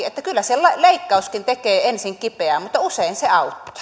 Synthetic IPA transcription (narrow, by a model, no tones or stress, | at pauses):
et̪ːækylːæselɑleˑikːɑuskint̪ekeːensiŋkipeæmut̪ːɑuseˑinseɑˑut̪ːi̥